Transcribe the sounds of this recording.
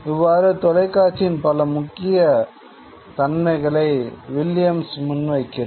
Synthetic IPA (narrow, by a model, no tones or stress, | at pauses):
ɪʋːaːɾɯt̪ɔlɐɪkːaːʈt͡ʃːɪnpɐlɐmʊkːɪjɐ | t̪ɐnmɐɪɣɐɭɐɪʋɪlɪjɐmsmʊnʋɐɪkːɪɾɐ